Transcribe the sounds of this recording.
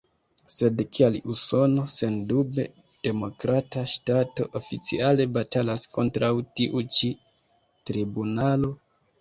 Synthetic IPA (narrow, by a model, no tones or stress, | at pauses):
se̞dkʰialiuso̞no̞se̞ndube̞̰ | d̥e̞mo̞kɾataʃtato̞̰ʔofit͡sḭale̞batalasko̞ntɾawtiʔut͡ʃi | tɾibunalo̞